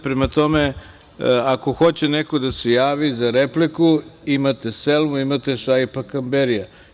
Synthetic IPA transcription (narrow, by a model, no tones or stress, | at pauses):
pɾemat̪o̞me̞ | ako̞xo̞t͡ɕenekod̪ase̞jaːʋizaɾeplikuimat̪e̞selmuimat̪e̞ʃajpakambeɾija